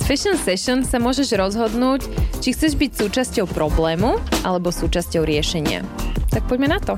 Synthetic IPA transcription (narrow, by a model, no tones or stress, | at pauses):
sfɛʃɔnsɛʃɔnsamʊɔʒɛʒɾɔzɦɔd̪nuːct͡ʃixt͡sɛʒbicsuːt͡ʃascɔʊpɾɔblɛːmuʔalɛbɔsuːt͡ʃascɔʊɾɪɛʃɛɲɪa̰t̪ak̚pɔɟmɛnat̪ɔ